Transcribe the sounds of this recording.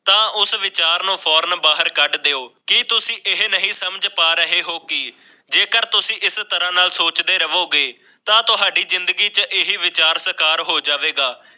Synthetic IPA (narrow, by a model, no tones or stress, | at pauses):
t̪ãːʔʊsʋɪt͡ʃaːɾnũːpʰɔːɾnbaːɦəɾkəɖd̪eːoːkɪt̪ʊsĩːʔɪɦnəɦĩːsəmd͡ʒpaːɾəɦeːɦoːkɪː | d͡ʒeːkəɾt̪ʊsĩːʔɪst̪əɾãːnaːlsoːt͡ʃd̪eːɾəʋoːɡeː | t̪ãːt̪ʊɦaːɖiːzɪnd̪əɡiːt͡ʃʔɪɦiːʋɪt͡ʃaːɾsəɾkaːɾɦoːd͡ʒaːʋeːɡaː